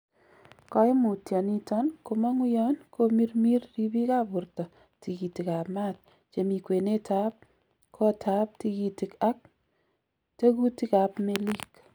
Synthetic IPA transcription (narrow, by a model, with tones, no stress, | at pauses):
kɔ˦ɪ˦mʊ˨tja˨ni˦tɔ˦nko˨ma˦ŋwɪ˦jɔ˦nkʰo˦mi˦rmi˦rri˦bi˦ka˦bʊ˨rtɔ˨ | ti˨ki˨ti˨ka˨pma˦t̚ | t͡ʃe˨mi˨kwe˨ne˦ta˦p̚ | kʰɔ˦tʰa˦p̚ti˦ki˨ti˨ka˦k̚ | te˦ku˦ti˦ka˨pme˦li˦k